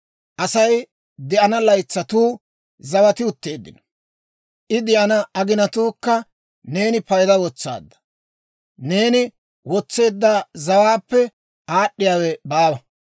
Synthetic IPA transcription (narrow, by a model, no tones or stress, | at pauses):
ʔɐsɐj | d̪ɛɐnɐlɐjt͡sːɐt̪uː | zɐwɐt̪ɪʊt̪ːe̞ːd̪ːɪ̰nɐ | ʔɪd̪ɪʔɐnɐɐɡɪnɐt̪uːkːɐ | ne̞ːnɪpɐjd̪ɐwɔt͡sːa̰ːd̪ːɐ̥ | ne̞ːnɪ | wɔt͡sːe̞ːd̪ːaːzɐwaːpːɛ | ʔaːɗːɪjaːwɛbaːwɐ